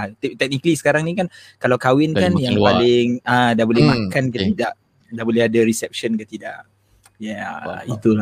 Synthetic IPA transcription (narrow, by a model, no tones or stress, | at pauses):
at̪t̪ɛk̚nikəlisə̥kaɾaŋnikankalawkawɪnkanjaŋalɪŋə̃dabolɛmakankət̪idaʔ | dabolɛhadaɾisɛp̚ʃənkət̪idaʔ | jait̪ul